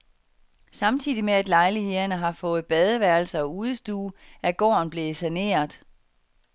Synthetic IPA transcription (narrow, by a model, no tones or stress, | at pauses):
sɑ̈mt͡sʰḭːð̰ˠimeæd̥lɑ̈ɪlihe̝ðˠɐnəɦɑ̈fɔ̽ːð̩ˠb̥ɛð̞ˠəʋæɐl̩səɒ̽uːð̞ˠəsd̥uːæɡ̥ɒ̰ːnb̥le̝sæne̝̰ːɐðˠ